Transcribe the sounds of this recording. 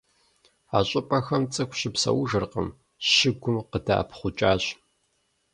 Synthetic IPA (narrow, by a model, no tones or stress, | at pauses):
aːɕʼɪpʼɐxɐmt͡sʼɨkʷɕɪpsɐ̰wʊʒɨrqə̰m | ɕɪɡʷʊmqəda̰ːpʰχʷʊt͡ʃʼaːɕ